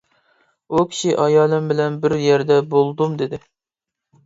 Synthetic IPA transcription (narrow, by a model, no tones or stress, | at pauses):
ukʲʰi̥ʃiʔɑjɑːlˠɨmbɪlɛnbɪɾjɛɾd̪ɛbolˠd̪umd̪ed̪ɪ